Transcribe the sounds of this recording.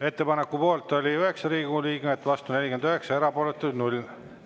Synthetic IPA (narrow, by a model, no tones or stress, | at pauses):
e̞t̪ːe̞pɑne̞kːˑupo̞ːlt̪ˑo̞lʲiøɦe̞ksɑɾiːɡuliːɡmet̪ːˑvɑst̪une̞lʲiɡend̪yɦe̞ksɑe̞ɾɑpo̞ːlet̪ːˑud̪nulʲ